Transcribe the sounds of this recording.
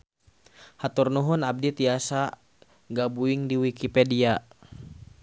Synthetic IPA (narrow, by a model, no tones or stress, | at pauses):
hat̪urnuɦʊnab̚dit̪iasa | ɡabuɪŋdiwikipedia